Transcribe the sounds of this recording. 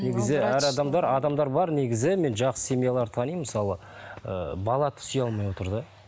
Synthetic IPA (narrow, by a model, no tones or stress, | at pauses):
neɡʲɪzɪæɾɑd̪ɑmd̪ɑɾɑd̪ɑmd̪ɑɾbɑɾneɡʲɪzɪme̞nʒɑqsə̥sʲe̞mijalˠɑɾt̪ʰɑnijməsɑlˠə | ə̰bɑlˠɑt̪ʰʏ̥sijɑlˠmɑjwo̞t̪əɾd̪ə